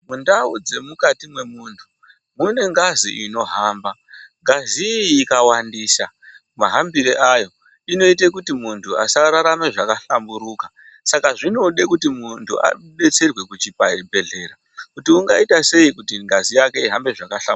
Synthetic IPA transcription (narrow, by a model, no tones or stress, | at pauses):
mundaud͡ze̞mukatimwe̞muntʰu̥ | mune̞ŋɡaziʔino̞ɦaːmbaŋɡaziːkawandiːsa | maɦambiɾeʔajo̞ | ino̞it̬ek̬utimuntʰua̰saɾaɾameʐakaɬambuɾuːka | sakaʐino̞ɗekutimuntʰṵa̰ | ɗe̞t͡se̞rwe̞kut͡ʃipabʱe̞ɮe̞ɾa | kutiuŋɡaitase̞ikutiŋɡazijake̞iɦambe̞ʐakaɬam